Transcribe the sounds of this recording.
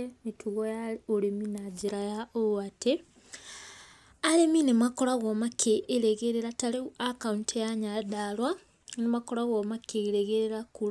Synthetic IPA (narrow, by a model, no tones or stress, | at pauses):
emitʰuɣojaoɾeminad͡ʒiɾajaʔoate | aɾeminemakolaɣomakʰeʔːɾeɣeɾeɾataliakauntʰejaɲadalwa | nemakoɾaɣoːmakeɣɾeɣeɾeɾaku